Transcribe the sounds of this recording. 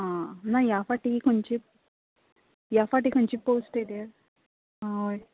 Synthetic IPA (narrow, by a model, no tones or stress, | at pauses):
anaːjaːfaːʈikoɲt͡ʃi | jaːfaːʈ̬ikoɲt͡ʃipoːsʈed̪eɾ | aj